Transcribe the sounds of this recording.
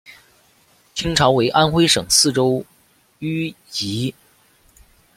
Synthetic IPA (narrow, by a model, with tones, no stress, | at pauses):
t͡ɕʰi˥ŋʈ͡ʂʰɑ˧˥ʊwe˧˥ɪʔa˥nxwe˥ɪʂɤ˨˩ŋsɹ̩˥˩ʈ͡ʂo˥ʊ | y˥ | t͡ɕi˧˥